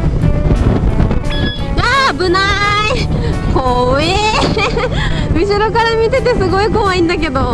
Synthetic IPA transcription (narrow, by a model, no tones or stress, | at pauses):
ɡabɯ̟nai | koe | mʲiɕiɾo̞kaɾamʲit̪e̞t̪e̞sɨɡo̞ikoβaĩnd̪ak̬e̞d̪o̞